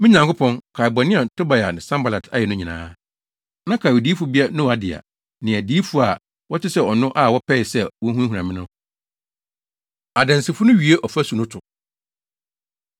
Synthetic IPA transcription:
mɪ̃˦ɲã˨ŋkʊ˦pʰɔ̃˦ŋkʰa˨bɔ˨nɪ̃˦a˨tʰʊ˦ba˨ja˨nɪ̃˨sã˦mba˨la˨tʰa˦jɛ˨nʊ̃˦ɲĩ˨nã̰ː˦ | nã˦kʰa˨wdi˦fʊ˨bi˦a˦nʊ̃˦wa˨dɪ˨a̰˨ | nɪ̃˨æ˨di˦fu˦a˨ | wɔ˦tʰɪ˦sɛ˦ɔ˨nʊ̃˦ʔa˦˨wɔ˦pʰɛ˦ɪ˨sɛ˦wɔ̃˦ɦũ˦ɦu˨ã˨mɪ̃˦nʊ̃˦ | a˨dɛ̃˨nsɪ˨fʊ˦nʊ̃˦ɥi˨e˦ʔɔ˨fæ˦su˨nʊ̃˦tʰʊ˨

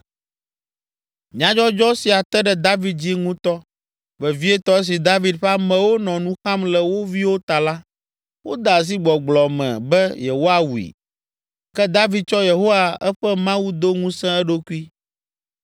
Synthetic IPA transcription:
mĩ˨˦ã˦d͡ʒɔ˦d͡ʒɔ˦si˨a˨t̪ɛ˦ɖɛ˨d̪a˦vi˦d̪̚d͡ʑi˦ŋũ˦t̪ɔ˦ | vɛ˨vi˦ɛ˦t̪ɔ˦s̬i˨d̪a˦vi˦d̪ɸa˦mɛ̃˨wo˦nɔ̃˨nũ˦xã˦mlɛ˨wo˦vi˦wo˦t̪a˨la˦ | wo˦d̪a˨s̬i˦ɡ͡bɔ˨ɡ͡blɔ˨mɛ̰̃˨bɛ˦je˨wo˦a˦wu˨ḭ˨ | kɛ˦d̪a˦vi˦d̪̚t͡ʃɔ˦je˨ɦo˦wa˨ɛ˦ɸɛ˦mã˦wu˦d̪o˦ŋũ˦sɛ̃˦ɛ˦ɖo˦ku˦i˦

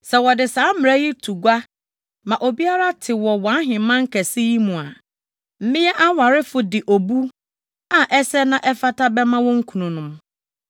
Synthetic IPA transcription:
sɛ˨wɔ˨dɪ˨sãː˨˦m˨ɾɛ˦ji˦tʰu˨ɡʷa˦ | mã˨ʔo˨bi˦a˦ɾa˦tʰɪ˨wɔ˨wã˨˦ɦɪ̃˨mã˦ŋ̩˦kʰɛ˨sɪ˦ji˦mũ˨a˨ | m̩˨mɪ̃˦ɛ˦ʔa˦wa˨ɾɪ˦fʊ˨dɪ˨ʔo˨bu˦ | a˨ʔɛ˦sɛ˦nã˦ʔɛ˦fa˦tʰa˦bɛ˦mã˦wɔ̃˦ŋ̩˦kʰu˨nũ˨nʊ̃˦m

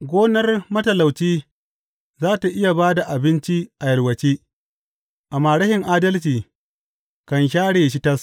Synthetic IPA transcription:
ɡʷoː˦nɐ˦rmɐ˦tɐ˨la˨wt͡ʃiː˦ | zaː˦ta˨ʔɪ˦ja˨baː˦da˨ʔa˨bɪ˦nt͡ʃi˦ʔa˨jɐ˨rwɐ˨t͡ʃiː˦ | ʔa˨maː˨ɽɐ˦hɪ˨ŋʔaː˦dɐ˦lt͡ʃiː˨ | kɐ˨nʃ̬aː˦ɽeː˨ʃ̬i˦tɐ˦s

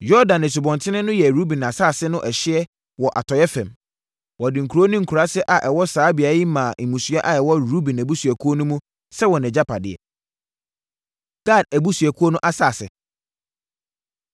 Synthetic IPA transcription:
jɔ˦dã˨nɛ̃˨s̬u˨bɔ̃˨ntʰɪ̃˦nɪ̃˦nʊ̃˦jɛ˨ɾu˦bĩ˨na˨saː˦˨sɪ˦nʊ̃˦ʔɛ˨ɕɪ˦ɛ˦ | wɔ˨ʔa̰˨tʰɔ˨jɛ˦fɛ̰̃˨m | wɔ˨dɪ̃˨ŋ̩˨kʰu˨ɾo˦nʊ̃˦ŋ̩˨kʰu˨ɾa˦sɪ˦ʔa˨ʔɛ˨wɔ˦saː˨˦bi˨a˨˦ji˦mã˨ŋ̩˨mũ˨sɥa˦ʔa˨ɛ˨wɔ˦ɾu˦bĩ˨næ˨bu˦su˨æ˨kʰu˦o˦nʊ̃˦mũ˦ | sɛ˦wɔ˨nɛ̃˨d͡ʑa˦pʰa˨dɪ˨ɛ̰˨ | ɡ̥a˦˨dæ˨bu˦sɥɛ˨kʰu˦o˦nʊ̃˦ʔa˦saː˦˨sɪ̰˨

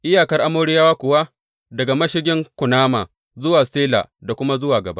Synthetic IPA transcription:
ʔɪ˦jaː˨kɐ˦rʔa˦moː˦ɽi˦jaː˦waː˦kʷʊ˨wa˦ | dɐ˨ɡa˨mɐ˦ʃɪ˦ɡʲɪ˦ŋkʷʊ˨naː˦ma̰ː˨ | zʊ˦waː˨seː˦la̰˨da˨kʷʊ˦ma˦zʊ˦waː˨ɡɐ˨ba̰˦

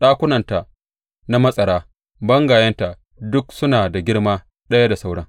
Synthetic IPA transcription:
ɗaː˦kʷʊ˦nɐ˨nta˨ʔ | na˦mɐ˦sʼɐ˨ɽaː˦ | bɐ˦ŋɡaː˨jɐ˦nta˨ | dʊ˦ksʊ˦naː˨da˨ɡʲɪ˦ɽmaː˦ | ɗɐ˦ja˦da˨sa˦wɽɐ˦ŋ

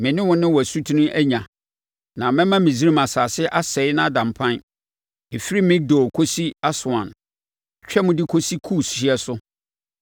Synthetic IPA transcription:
mɪ̃˨nɪ̃˦wʊ̃˦nɪ̃˦wɔ˨æ˨su˦tʰi˦nũ˦ʔæ˦ɲã˨ | nã˨mɛ̃˦mã˦mɪ̃˨zi˦ɾi˦mã˨saː˨sɪ˦ʔa˦sɛ˨˦ɪ˦nã˦a˦˨dã˨m˨pʰã˦n | e˨fi˦ɾi˦mɪ̃˦ɡ̚do˨kʰo˦si˦a˦sʊ˨ã˨n˨ | t͡ɕᶣɛ˦mʊ̃˦dɪ˦kʰo˦si˦kʰu˦˨sɕɪ˨˦ɛ˦sʊ˦

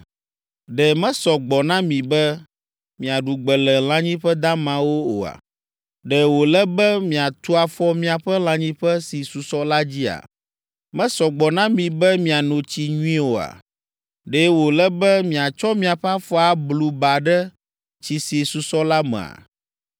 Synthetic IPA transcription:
ɖɛ˨mɛ̃˦sɔ˨ɡ͡bɔ˨nã˦mĩ˨bɛ˦ | mĩ˨a˨ɖu˨ɡ͡bɛ˨lɛ˨l̃ã˦ɲĩ˦ɸɛ˦d̪ã˦mã˨wo˦o̰˨a̰˨ | ɖɛ˨wo˨lɛ˦bɛ˦mĩ˨a˨t̪u˦a˨fɔ˦mĩ˦a˨ɸɛ˦l̃ã˦ɲĩ˦ɸɛ˦si˨su˨sɔ˦la˦d͡ʑi˦a̰˨ | mɛ̃˦sɔ˨ɡ͡bɔ˨nã˦mĩ˨bɛ˦mĩ˨a˨nõ˨t͡ɕi˦ɲũ˦ĩ˦wo˨a̰˨ | ɖɛ˦wo˨lɛ˦bɛ˦mĩ˨a˨t͡ʃɔ˦mĩ˨a˨ɸa˦fɔ˦a˦blu˨ba˨ɖɛ˦ | t͡ɕi˨si˨su˨sɔ˦la˦mɛ̰̃˨a̰˨

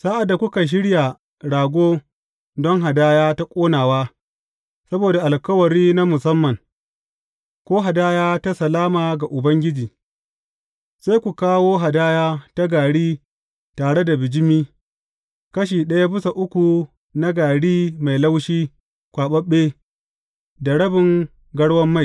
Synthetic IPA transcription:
sa˦ʔa˨dːa˨kʷʊ˦ka˨ʃ̬ɪ˦ɽja˨ | ɽaː˨ɡʷoː˦ | dɔ˦ŋɦa˨daː˦jaː˦ta˦kʷʼoː˦naː˨waː˦ | sɐ˦boː˨da˨ʔa˨lkɐ˦wɐ˨ɽiː˦na˦mʊ˨sɐ˦mːɐ˨ŋ | kʷoː˦ɦa˨daː˦jaː˦ta˦sɐ˨laː˦maː˨ɡa˨ʔʊ˨bɐ˦ŋɡʲɪ˦d͡ʒiː˨ | sa˦jkʷu˨kaː˦woː˦ɦa˨daː˦jaː˦ta˦ɡaː˨ɽiː˦ | taː˨ɽe˦da˨bɪ˨d͡ʒɪ˦miː˦ | kɐ˦ʃ̬iː˨ɗɐ˦ja˦bɪ˦sa˨ʔʊ˦kʷu˨ | na˦ɡaː˨ɽiː˦ma˨jla˦wʃiː˦ | kʷaː˨ɓɐ˦ɓːeː˦ | da˨ɽɐ˦bɪ˨ŋ | ɡɐ˦ɽwɐ˦mːa˦j

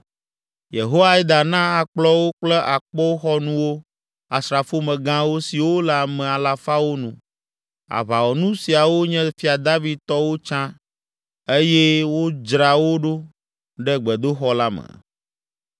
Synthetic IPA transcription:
je˨ɦo˦a˦i˦d̪a˨nã˦a˨k͡plɔ˦wo˦k͡plɛ˦ʔa˨k͡pɔ˦wo˦xɔ˦nũ˦wo˦ | a˨sɾa˨fo˦mɛ̃˨ɡã˦wo˦si˨wo˦la˨mɛ̃˨a˨la˨fa˦wo˦nũ˨ | a̰˨βa˨wɔ˨nũ˦si˨a˨wo˦ɲɛ̃˦fi˦a˨d̪a˦vi˦d̪̚t̪ɔ˦wo˦t͡ʃã˦ | e˦jɛ˦wo˦d͡ʒɾa˨wo˦ɖo˦ | ɖɛ˦ɡ͡bɛ˨d̪o˦xɔ˦la˦mɛ̰˨

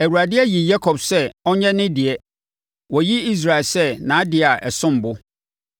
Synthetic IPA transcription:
æ˨wu˨ɾa˨dɪ˦ɛ˦ji˨ja˦kʰɔ˨bsɛ˦ɔ˦ɲɛ̃˦nɪ̃˦dɪ˨ɛ˦ | wɔ˨ji˦i˦s̬ɾa˨ɪ˨lsɛ˦˨nã˨˦a˦dɪ˦a˨ʔɛ˨sʊ̃˦m̩˨bʊ˦

